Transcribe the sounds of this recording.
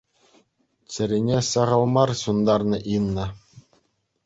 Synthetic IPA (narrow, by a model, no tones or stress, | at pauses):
t͡ɕɘ̆ɾʲenʲesɑʁɤ̆lˠmɑrɕund̪ɑrnɤ̆ʔinːɤ̆